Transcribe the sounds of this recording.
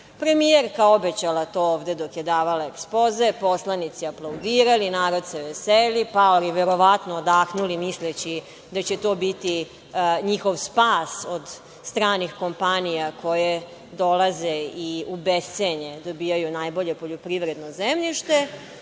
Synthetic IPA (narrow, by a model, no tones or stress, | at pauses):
pɾe̞mijeɾkao̞bet͡ɕalat̪o̞ːoːʋd̪e̞d̪o̞kjed̪aːʋalaekspoze̞po̞slˠanit̪siaplˠowd̪iːɾalinaːɾo̞d̪seʋeselipaoliʋeɾo̞ʋat̪noːd̪axnulimislet͡ɕi | d̪at͡ɕet̪o̞ːbit̪i | ɲixo̞ʋspaːsod̪ | st̪ɾaːnixko̞mpanijakʰo̞je | d̪o̞lazeiubeseɲed̪o̞bijajunajbo̞ʎe̞poʎo̞pɾiʋɾe̞d̪nozemʎiʃt̪e̞